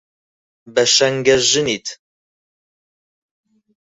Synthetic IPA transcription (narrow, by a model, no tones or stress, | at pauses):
bɐʃɐŋɡɐʒɨnit̪ʰ